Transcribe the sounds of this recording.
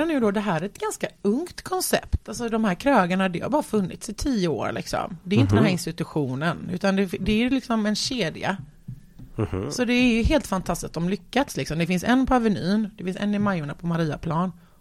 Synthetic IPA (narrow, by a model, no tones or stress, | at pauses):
anʉːd̪ɔd̪ɛɦæːɾæɾɛt̪ɡanskaɵŋt̪kʰɔnsɛ̰pt̪als̬ɔd̪ɔmhæːɾkʰɾɑːɡaɳad̪ɛha̰ɾbɑːɾafɵnːɪ̰t̪sɪt̪ʰiːəo̰ːɾlʔɪ̰ksɔ̰md̪ɛɾjʏnt̪əd̪ɛnɦæːɾɪnst̪ɪt̪ɵɧuːnənʉ̟ːt̪and̪ɛd̪ɛæjlɪksɔmɛnɕeːd̪ɪa̰ | sɔd̪ɛːɾjɵɦeːlt̪fant̪ʰast̪ɪsk̚t̪ɔmlʏkːat̪slɪksɔmd̪ɛfɪnsɛnːpʰɔavɛnyːnd̪ɛfɪnsɛ̰nːɪmajːʊɳapʰɔmaɾiːa̰pʰlɑːn